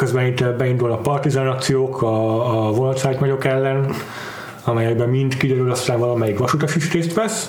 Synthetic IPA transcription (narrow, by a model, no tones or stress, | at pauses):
køzbɛnint̪ɛbɛind̪ulnɒkpɒrt̪izɒnɒk̚t̪sijoːkʰɒːvonɒsaːjt̪mɒɟo̞kɛlːɛn | ɒmɛjɛɡbɛmːind̪kid̪ɛɾylɒst̪aːɱvɒlɒmɛjikʋɒʃut̪ɒʃiʃt̪eːst̪ʋɛs